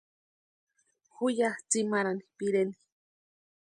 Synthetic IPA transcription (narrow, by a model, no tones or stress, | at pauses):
xujaht͡simaɾanipiɾeni̥